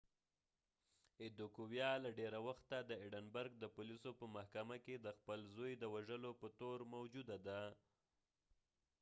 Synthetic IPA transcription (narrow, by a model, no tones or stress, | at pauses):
ɪd̪okuwjɑlaɖeɾawaxt̪ad̪əiɖənbaɾɡ̚d̪əpulisopəmahkamaked̪əxpəlzojd̪əwaʒəlopət̪oɾmawd͡ʒud̪ad̪a